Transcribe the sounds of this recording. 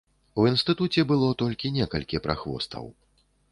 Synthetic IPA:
uinst̪ɨt̪ut͡sʲɛbɨlˠɔt̪ɔlʲkʲinʲɛkɐlʲkʲipɾʔa̰xvɔ̰st̪ʰɐ̰w

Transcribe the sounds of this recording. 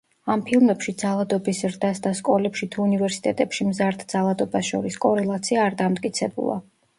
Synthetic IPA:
ampʰilˠmɛpʃid̪zalˠad̪ɔbisɾd̪asd̪askʼɔlɛpʃit̪ʰuːnivɛɾsi̥t̪ʼɛt̪ʼɛpʃimzaɾd̪ʰd̪zalˠad̪ɔbasʃɔɾiskʼɔɾɛlˠat̪sʰiaːɾd̪amt̪ʼkʼit̪sʰɛbṵlˠa̰

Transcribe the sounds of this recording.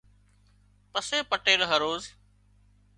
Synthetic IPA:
pəseːpəʈeːlɦəɾoːz

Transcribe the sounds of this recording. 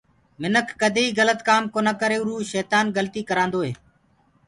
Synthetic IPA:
mɪnəkʰːəd̪ʱeːiːɣələt̪kaːmkoːnaːkəɾeːʊɾuːʃɛːt̪aːnɡəlt̪iːkəɾãːnd̪oːɦeː

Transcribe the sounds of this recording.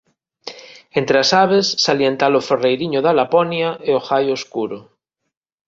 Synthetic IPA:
ent̪ɾeasaβesːaljent̪aloferejɾiɲoðalaponjaʔeoxajoskuɾo

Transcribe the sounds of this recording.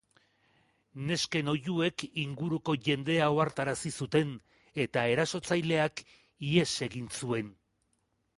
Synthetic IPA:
ne̞ske̞no̞ʝue̞kiŋɡuɾuko̞ʝe̞nd̪e̞aoaɾt̪aɾasisut̪e̞n | e̞t̪ae̞ɾaso̞t͡sajle̞ak | ie̞se̞ɣinsue̞n

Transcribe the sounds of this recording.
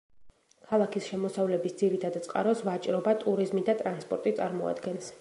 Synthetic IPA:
kʰalˠakʰisʃɛmɔsavlɛbisd̪ziɾit̪ʰad̪t̪sʼqʼa̰ɾɔsvat͡ʃʼɾɔbat̪ʼuɾizmid̪at̪ʼɾanspʼɔɾt̪ʼit̪sʼaɾmɔa̰d̪ɡɛns

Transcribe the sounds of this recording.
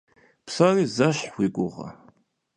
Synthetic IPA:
pʰsarizaʃħwiɡʷʼʊʁa̰

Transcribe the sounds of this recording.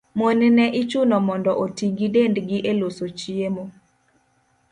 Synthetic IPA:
monnɛʔɪt͡ʃʊnɔmɔndɔʔotiŋɡidendɡɪʔelosot͡ʃiemo

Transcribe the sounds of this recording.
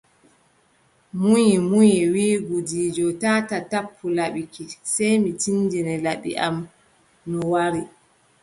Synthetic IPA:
mujimujɛwiːɡudiːd͡ʒɔtatatapʰːulaɓikisɛjmitindinɛlaɓḭʔa̰m | nɔwaɾi

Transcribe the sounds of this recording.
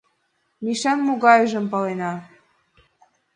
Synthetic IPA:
miʃɑnmuɣɑyʒə̆mpɑlenɑ

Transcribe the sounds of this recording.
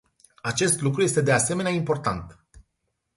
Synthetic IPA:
at͡ʃe̞st̪lukɾuje̞st̪e̞d̪e̞ase̞me̞neaimpo̞rt̪ant̪

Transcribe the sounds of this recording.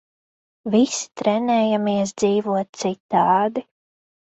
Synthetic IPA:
visi̥t̪ɾɛnɛːjamiɛs̬d̪ziːvuɔt̪̚t̪sit̪ːɑːd̪i

